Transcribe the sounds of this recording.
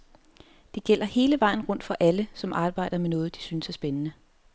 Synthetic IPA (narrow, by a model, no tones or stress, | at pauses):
d̥e̝ɡ̥el̰ɐhe̝ːləʋɑ̈ɪ̰n̩ʁɔ̽n̰d̥fɒ̽ʔæləsɒ̽mʔɑ̈ːb̥ɑ̈ɪ̰d̥ɐmenɔ̽ːð̞̩ˠd̥i̥synsæɐsb̥enənə